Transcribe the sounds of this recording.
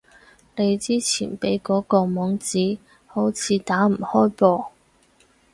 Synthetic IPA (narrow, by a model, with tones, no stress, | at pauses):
ne˨˧jt͡siː˥t͡sʰiː˨˩npe˨˥jkɔː˨˥kɔː˧mɔː˨˥ŋt͡siː˨˥ | ho˨˥wt͡sʰiː˨˧t̪aː˨˥m̩˨˩hɔː˥jpɔː˧